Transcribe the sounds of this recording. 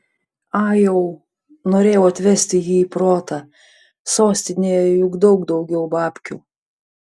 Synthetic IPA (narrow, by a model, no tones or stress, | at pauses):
ɑːjɛʊ | noːɾʲeːjɛɐt̪ʲʋʲɛsʲt̪ʲɪjiːipɾoːt̪ɑ | soːsʲt̪ʲɪnʲeːjɛjʊɡd̪ɒʊɡd̪ɒʊɡʲɛʊbɑːpʲkʲuː